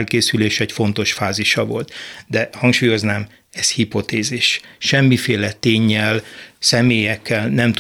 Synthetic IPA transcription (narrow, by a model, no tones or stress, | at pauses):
lkeːsyleːʃɛcfo̞n̪t̪o̞ʃfaːziʃɒvo̞̰lt̪d̪ɛhɒŋkʃuːjo̞znaːm | ɛzhipo̞t̪eːziʃʃɛmːifeːlɛt̪eːɲːɛlsɛmeːjɛkʰːɛlnɛmt̪